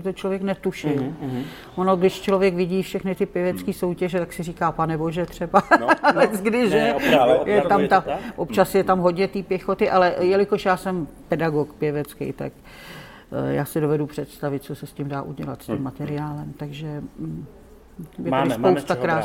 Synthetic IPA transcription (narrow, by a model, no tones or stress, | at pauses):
ɪt̪ot͡ʃlovjɛknɛt̪uʃɪl | ʔonoɡdɪʃt͡ʃlovjɛkvɪɟiːfʃɛxnɪt̪ɪpjɛvɛt͡skiːso̞wcɛʒɛt̪aksɪriːkaːpanɛbo̞ʒɛt̪r̝̥ɛbalɛt͡sɡdɪʒɛjɛt̪amt̪aʔop̚t͡ʃasjɛt̪amɦodɲɛt̪iːpjɛxo̞t̪ɪʔalɛʔjɛlɪkoʃjaːsɛmpɛdaɡokpjɛvɛt͡skɛ̰jt̪a̰k | ja̰ːsɪdovɛdupr̥ɛt̪st̪avɪt̪̚t͡sosɛscɪmdaːʔuɟɛla̰t̪scɪmːat̪ɛɾɪaːlɛmt̪aɡʒɛ | bɪɪlɪsppowst̪akɾaːs